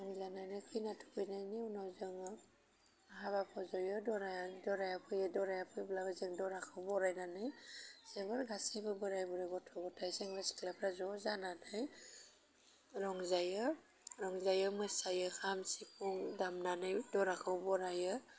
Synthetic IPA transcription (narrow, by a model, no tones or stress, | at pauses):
ɾɔŋzananɯjkʰɯjnatʰu̥kʰɯjnajniunawzɯŋɯ | ɦaβapʰɔzɔjɯdɔɾadɔɾajapʰɯjɯdɔɾajapʰɯjblabazɯŋdɔɾakʰɯwbɔɾajnanɯjz̥ebɯɾɡasibɯbɯɾajbɔɾebɔtʰɔɡɔtʰajseŋbasi̥klapʰɾazɔzananaj | ɾɔŋzajɯ | ɾɔŋzajɯmɯsajɯkʰamsipʰuŋdamnanɯjdɔɾakʰɯwbɔɾajɯ